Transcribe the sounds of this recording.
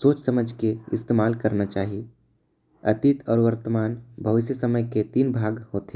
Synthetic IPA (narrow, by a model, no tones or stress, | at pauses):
soːt͡ʃsəməd͡ʒʱkeɪ̰st̪eːmaːlkəɾnat͡ʃaːɦie | ɐt̪it̪ʰɔːɾʋəɾt̪əmaːnbʱɐʋɪʃjəsəməjket̪iːnbʱaːɡhoːt̪ɦe